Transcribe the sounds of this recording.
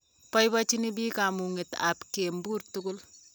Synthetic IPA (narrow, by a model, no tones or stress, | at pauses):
pɔjbat͡ʃinibiːkamuŋɪta̰pkeːmbuɾtukʊl